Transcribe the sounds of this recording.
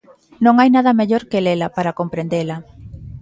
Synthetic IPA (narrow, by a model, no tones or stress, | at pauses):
nõŋajnaðɐmeʎoɾkelelapaɾakompɾend̪ela